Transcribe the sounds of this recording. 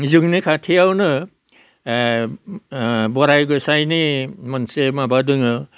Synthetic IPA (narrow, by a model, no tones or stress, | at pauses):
zɯŋnikʰatʰijawnɯ | bɔɾajɡɔsajnimansemabadɯŋɯ